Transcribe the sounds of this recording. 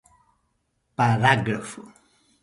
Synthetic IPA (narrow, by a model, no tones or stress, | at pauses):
paɾaɡɾafu